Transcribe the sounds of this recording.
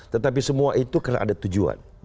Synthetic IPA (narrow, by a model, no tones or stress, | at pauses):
t̪ət̪ap̬isəmuaʔit̪ukərna̰ʔa̰dat̪ud͡ʒua̰n